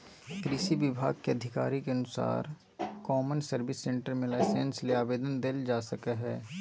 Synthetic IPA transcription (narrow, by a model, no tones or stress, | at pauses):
kɾɪʃiʋɪbʱa̰ːɡ̚keɐd̪ʱɪka̰ːɾikeɐnʊsa̰ːɾ | kɔːmənsəɾbɪsːẽːɳʈəɾmelaːɪseːnsliaːʋeːd̪ənd̪eːld͡ʒaːsɐkəɦɛː